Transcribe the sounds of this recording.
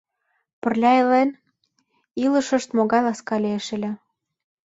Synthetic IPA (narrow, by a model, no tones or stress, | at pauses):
pə̆rlʲɑelen | ilə̆ʃə̆ʃt̪moɣɑjlɑskɑlʲeeʃelʲĕ